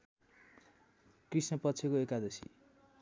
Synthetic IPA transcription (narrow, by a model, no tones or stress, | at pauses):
krisnʌpʌtːt͡sʰekoekad̪ʌsḭ